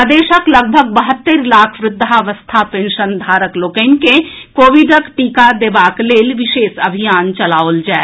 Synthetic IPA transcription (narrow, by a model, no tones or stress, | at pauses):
d̪eːʃəkləɡ̚bʱəɡ̚bəɦət̪ːəɾlaːkʰʋɾɪd̪ʱːaʋəst̪ʰapẽnʃənd̪ʱaːɾəkloːkə̃nke | koːʋiɖəkʈiːkad̪eːbaːkleːlʋɪʃeːsəbʱijaːnt͡ʃəlaːold͡ʒae